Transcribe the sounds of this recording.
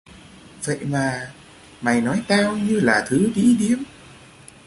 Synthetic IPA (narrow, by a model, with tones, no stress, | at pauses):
və̰˧˨jmaː˨˩ | ma˨˩jnɔ˨˦jt̪aː˧wɲɨ˧laː˨˩t̪ʰɨ˨˦ɗḭ˧˥ɗi˨˦əm